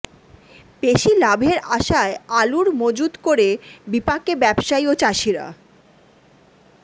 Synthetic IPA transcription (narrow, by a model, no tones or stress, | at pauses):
peʃilabʱeɾaʃaealuɾmod͡ʑud̪koɾebipakebɛbʃaiot͡ɕaʃiɾa̰